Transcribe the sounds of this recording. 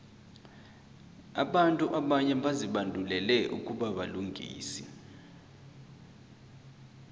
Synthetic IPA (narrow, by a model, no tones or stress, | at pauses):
a̰ɓantʼuʔaɓaɲɛɓaziɓandʱulɛlɛʔṵkʼuɓaɓaluŋɡʱḭːsi